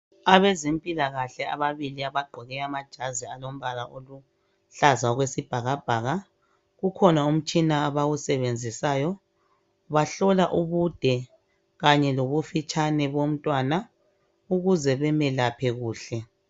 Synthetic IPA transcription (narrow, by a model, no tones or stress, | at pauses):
aβezimpʼilaɣaɬɛa̰βaβiliaβaɡ͡ǃʱɔɣɛamad̥ʒ̥ʱazialom̩βalaʔolu | ɬazaɣwesib̥ʱaɣab̥ʱaːɣa | ɣukʰɔnaum̩t͡ʃʼinaːβawusɛβend͡zʱisaːjɔ | βaɬɔlaʔuβud̥ʱɛ | ɣaɲɛloβufit͡ʃʼanɛβom̩tʼwaːna | uɣuzɛβɛmɛlapʰɛɣuːɬɛ